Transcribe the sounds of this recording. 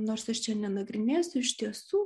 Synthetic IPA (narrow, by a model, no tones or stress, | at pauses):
noːɾsɐʃt͡ʃʲɛnʲɛnɐɡɾʲɪnʲeːsʲʊɪʃt̪ʲiɛsuː